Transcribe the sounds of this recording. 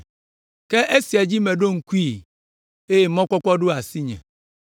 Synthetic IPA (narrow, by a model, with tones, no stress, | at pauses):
kɛ˦ʔe˦si˨a˨d͡ʑi˦mɛ̃˨ɖo˦ŋ̩˦ku˦i˦ | e˦e˨mɔ̃˦kɔ˦kɔ˦ɖo˦a˨si˦ɲɛ̰̃˨